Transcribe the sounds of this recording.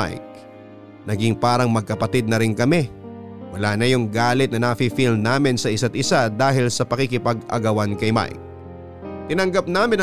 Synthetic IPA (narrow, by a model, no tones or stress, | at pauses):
a̰jk̚ | nɐɡɪŋpaːɾɐŋmɐɡ̚kɐpɐt̪ɪd̪̚nɐɾɪnkɐmɛ | wɐlanɐjʊŋɡaːlɪt̪̚nɐnɐfifilnaːmɪnsɐʔɪsat̪̚ɪsad̪aːɦɪlsɐpɐkikɪpɐɡɐ̰ɡɐwankɐjma̰jk̚ | t̪ɪnɐŋɡap̚naːmɪnɐ